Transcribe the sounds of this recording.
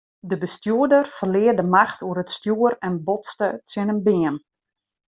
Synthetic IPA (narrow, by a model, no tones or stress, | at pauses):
dəbəstjuədərfərlɪədəmaxtʰuəɾətstjuəɾɛnbɔtstətɪnənbɪən